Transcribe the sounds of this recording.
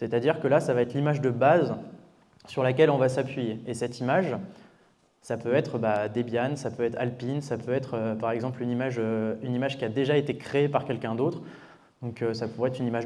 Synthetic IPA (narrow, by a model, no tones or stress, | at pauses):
set̪ad̪iʁkəlasavaɛt̪limaʒd̪əbaz | syʁlakʲɛlɔ̃vasapɥijeesɛt̪imaʒ | sapøɛt̪χbad̪ebjansapøɛt̪χalpinsapøɛt̪χøpaʁɛɡzɑ̃plynimaʒøynimaʒkʲiad̪eʒaet̪ekχeepaʁkʲɛlkʲɛ̃d̪ot̪χ | d̪ɔ̃køsapuvɛt̪χynimaʒ